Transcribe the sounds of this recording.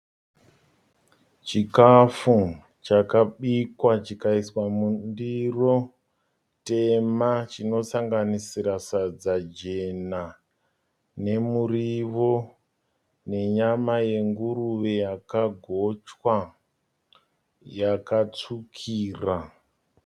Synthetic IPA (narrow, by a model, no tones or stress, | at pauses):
t͡ʃikafu | t͡ʃakaɓikwat͡ʃikaiswamundiro̞ | te̞mat͡ʃino̞saŋɡanisiɾasad͡zad͡ʒe̞na | ne̞muriʋo̞ | ne̞ɲamaje̞ŋɡuruʋe̞jakaɡʱo̞t͡ʃwa | jakat͡sukʰiːra